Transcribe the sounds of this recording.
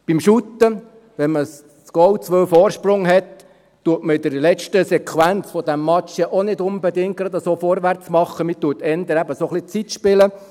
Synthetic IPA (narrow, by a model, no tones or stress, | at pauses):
b̥imʃut̪ːə | ʋɛnməs | sɡ̥ɔwt͡sʋœwfɔːɾʃprʊŋɦɛtː | uətməɪd̪əɾlɛt͡ʃtəsɛkʰwænt͡sfɔd̪æmːɑt͡ʃjɛʔonɪd̪ʊnbɛd̪ɪŋk̚kɾɑd̪əsoːfɔɾʋært͡smɑχːəmɪt̪uːtɛnd̪əɾæbəsoχlit͡sit̪ʃpɪlə